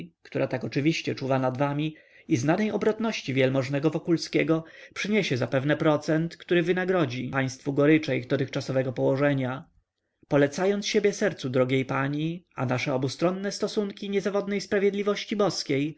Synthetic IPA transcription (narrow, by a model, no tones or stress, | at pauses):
kt̪uɾʔat̪akɔt͡ʂɘvʲiɕt͡ɕɛt͡ʂuvanad̪vamʲi | iznanɛjɔbɾɔt̪nɔɕt͡ɕivʲjɛlmɔʐnɛɡɔvɔkulskʲeɡɔpʂɘɲeɕɛzapɛvnɛpɾɔt̪sɛnt̪kt̪uɾɘvɘnaɡɾɔd͡ʑipaj̃st̪fuɡɔɾɘt͡ʂɛiɣd̪ɔt̪ɘxkt͡ʂasɔvɛɡɔpɔwɔʐɛɲa | pɔlɛt̪sajɔnsɕebʲjɛsɛɾt̪sud̪ɾɔɡʲejpaɲia̰naʂɛɔbust̪ɾɔnːɛst̪ɔsuŋkʲiɲɛzavɔd̪nɛjspɾavʲjed̪lʲivɔɕt͡ɕibɔskʲej